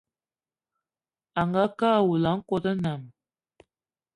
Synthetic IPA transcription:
a˨ŋɡa˦ka˦˨wu˨la˨˦ŋko˦d̪ə˦na˨m

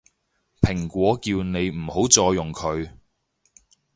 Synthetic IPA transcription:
pʰɪ˨˩ŋkʷwɔː˨˥kiː˧wne˨˧jm̩˨˩ho˨˥wt͡sɔː˧jʊ˨ŋkʰɵ˨˧ɥ

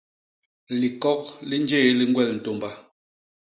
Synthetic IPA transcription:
li˨kɔ˦k̚li˦n˦d͡ʒe˦˨˦li˦ŋ˦ɡwɛ˦˨ln̩˨to˨mba˦

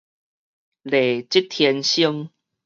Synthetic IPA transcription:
le˨t͡ɕi˦t̪ʰjɛ˧nɕi˦ŋ

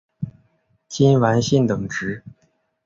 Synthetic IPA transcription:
t͡ɕi˥nwa˧˥nɕi˥˩nt̪ɤ˨˩ŋʈ͡ʂɻ̩˧˥

